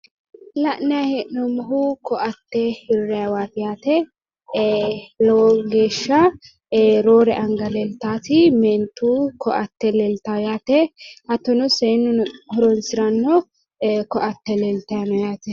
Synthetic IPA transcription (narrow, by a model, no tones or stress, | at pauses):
lɐʔnɛjahɛʔnɔmɔɦʊkɔʔɐt̪ːɛhɪɾɾːɛjɐwaːpɪjaːt̪ɛ | lɔɡeːʃːɐ | ɾoːɾɛʔɐŋɡɐlɛlt̪aːt̪ɪmɛːnt̪ːuːkɔʔɐt̪ːɛlɛlt̪ajaːt̪ɛhɐt̪ːɔnɔsenːhɔɾɔnsɪɾɐnːɔ | kɔʔɐt̪ːɛlɛlt̪ɐjɐnɔjaːt̪ɛ